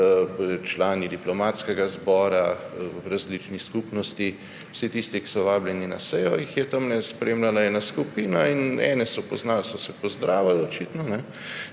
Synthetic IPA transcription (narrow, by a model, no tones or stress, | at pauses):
t͡ʃlaːnid̪iplɔmaːt̪skɛɡazbɔːɾaɾazliːt͡ʃniskupnɔst̪i | wsit̪ist̪iki̥sɔʋaːbljɛnina̰sɛjɔjixjɛt̪amnɛspɾeːmlalaɛːnaskupiːnainɛ̰ːnɛsɔpɔznaːlsɔsɛpɔzd̪ɾaːʋalɔt͡ʃiːt̪nɔnɛ